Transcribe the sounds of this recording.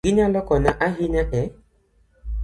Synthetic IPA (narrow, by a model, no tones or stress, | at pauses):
inalɔkɔnaʔaɦinatɛ